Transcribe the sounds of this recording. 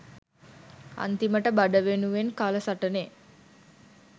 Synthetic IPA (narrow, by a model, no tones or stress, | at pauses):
a̰nt̪iməʈəbaɖəʋenuʋenkaːləsaʈəne